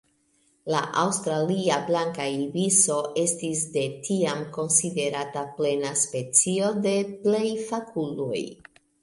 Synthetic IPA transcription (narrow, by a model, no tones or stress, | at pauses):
laʔawstɾaliablaŋkaibiso̞ʔe̞stis̬de̞tʰiamko̞nside̞ɾataple̞naspe̞t͡sio̞de̞ple̞jfakʰulo̰j